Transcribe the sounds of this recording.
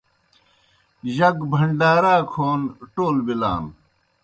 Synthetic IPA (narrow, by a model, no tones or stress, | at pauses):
ʑɐkbʱɐɳɖaːɾaːkʰoːnʈoːlbila̰ːn